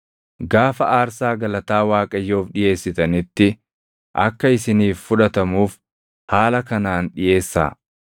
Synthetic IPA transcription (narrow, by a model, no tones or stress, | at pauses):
ɡaːfɐʔaːɾsaːɡɐlɐt̪aːwaːkʼɐjːoːfᶑɪje̞ːsːɪt̪ɐnɪt̪ːɪ | ʔɐ̰kːɐɪsɪniːfːʊᶑɐt̪ɐmuːf | haːlɐkɐnaːnᶑɪjʔe̞ːsːa̰ː